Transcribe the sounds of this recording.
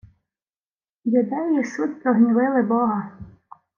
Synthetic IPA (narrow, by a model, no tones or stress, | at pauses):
jʊd̪ɛjjisut̪ʲpɾɔɦnʲiʋɪlˠɪbɔɦɐ